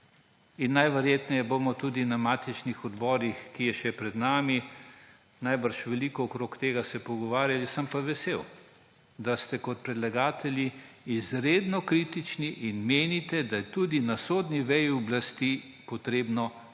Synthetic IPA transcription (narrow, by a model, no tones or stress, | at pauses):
inːajʋɛɾjeːt̪nɛjɛbomɔt̪ud̪inamaːt̪it͡ʃnixɔd̪bɔːɾixkijɛʃɛpɾɛd̪naːmi | najbəɾʃʋɛlikɔːkɾoːkt̪eːɡasɛpɔɡɔʋaːɾjalisɐmpaʋɛsew | d̪ast̪ɛkɔt̪̚pɾɛd̪laɡaːt̪ʰɛljiizɾed̪nɔkɾit̪it͡ʃniʔinmeːnit̪ɛd̪ajɛt̪ud̪inasod̪niʋɛjɔblast̪i | pɔt̪ɾeːbnɔ